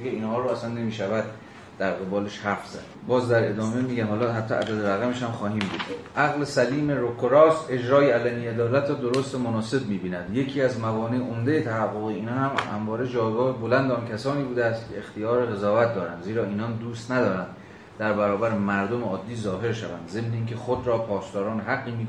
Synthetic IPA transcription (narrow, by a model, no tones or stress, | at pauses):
ɡeiːnhɒːɾoæsænːe̞miːʃævæd̪̚ | d̪̥æɾɣe̞bɒːleʃhæɾfz̥æ̰d̪̥bɒːzd̪æɾe̞d̪ɒːme̞miːɟænhɒːlɒɦæt̪ʰːɒ̰ʔæ̰d̪æd̪eɾæɣæmeʃhæmxɒːɦiːmbuːd̪̥ʔæɣlesæliːme̞ɾokʰːoɾɒːse̞d͡ʒɾɒːjeælæniːed̪ɒːlæt̪ʰɾɔːd̪oɾost̪emonɒːse̞bmiːbiːnæd̪je̞kʰiːæzmævɒːneʔomd̪ejet̪ʰæhæɡːoɣeiːnɒːhæmhæ̰mvɒːɾed͡ʒɒːjɡɒːhebolænd̪eɒːncʰæsɒːniːbuːd̪eæst̪cʰḛext̪ijɒːɾeɣe̞zɒːvæt̪̚d̪ɒːɾæ̰nd̪ziːɾɒːiːnɒnd̪uːst̪næd̪ɒːɾænd̪ | d̪æɾbæɾɒːbæɾemæɾd̪omeɒːd̪ːiːzɒːɦe̞ɾʃævæ̰nd̪ze̞mneiːŋcʰe̞xod̪ɾɒːpʰɒːst̪ɒːɾɒːneɦæɡːiːmiːk